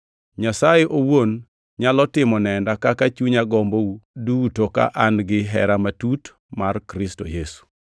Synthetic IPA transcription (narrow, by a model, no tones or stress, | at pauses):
ɲasajeʔowon | ɲalɔtɪmɔnɛndakakat͡ʃuɲaɡɔmboudutoka̰ʔanɡɪɦɛ̰ɾamatut | markɾɪstojesu̥